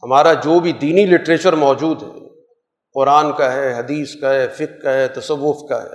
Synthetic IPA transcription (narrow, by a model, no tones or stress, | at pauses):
hɐmaːɾad͡ʒoːbʱid̪iːnilɪʈɾeːt͡ʃəɾmɔːd͡ʒuːd̪ɦɛ̰ː | qɔːɾaːnkaɦɛːɦɐd̪iːskaɦɛfɪqkaɦɛːt̪ɐsɐʋːʊfka̰ɦɛ̰ː